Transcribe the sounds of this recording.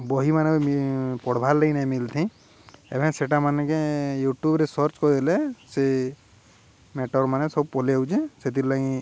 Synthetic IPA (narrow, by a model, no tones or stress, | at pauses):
bɔɦimaneipɔɽbʱalːeinajmilt̪ʰĩ | ḛbʱɛ̃seʈamanɛkẽjuʈjubɾesɔɾt͡ʃkɔd̪ilɛse | meʈɔɾmanesɔb̚pɔleut͡ʃʰẽset̪iɾlaɡĩ